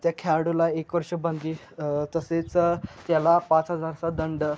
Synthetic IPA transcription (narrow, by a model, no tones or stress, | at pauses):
t̪jakʰaɽulaekʋəɾʂəbə̃nd̪i | t̪əset͡st̪jalapat͡sɦəd͡zaɾt͡sad̪əɳɖ